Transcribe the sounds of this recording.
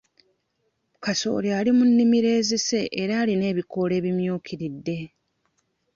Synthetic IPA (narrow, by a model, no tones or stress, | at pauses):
kaso̞̰ljalimunːimiɾe̞ːzise̞ʔːɾaːline̞ːβiko̞le̞ːβimjuːkiɾidːe̞